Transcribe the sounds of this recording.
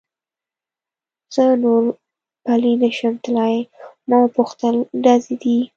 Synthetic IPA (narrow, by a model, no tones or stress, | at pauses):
z̥ənoɾ | palinəʃəmt̪lɑjmɑwpuxt̪əlɖɑzed̪i